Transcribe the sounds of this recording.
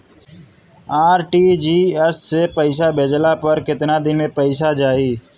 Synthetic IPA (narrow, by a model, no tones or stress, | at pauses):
aːɾʈid͡ʒiːəssepəɪs̬abeːd͡ʒlapəɾkɪt̪nad̪ɪnmẽpəɪs̬ad͡ʒaːiː